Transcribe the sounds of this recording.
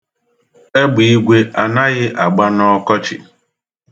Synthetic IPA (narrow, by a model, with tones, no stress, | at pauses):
e˦ɡ͡bi˨i˦ɡʷe˦a˨na˦ɣɪ˦ʔa˨ɡ͡ba˦nɔ˦kɔ˦t͡ʃɪ̰˨